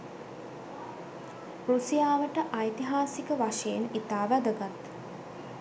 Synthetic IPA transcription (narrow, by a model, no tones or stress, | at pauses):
ɾusijaːʋəʈəʔajt̪iɦaːsikəʋaʂejenit̪aːʋæd̪əɡat̪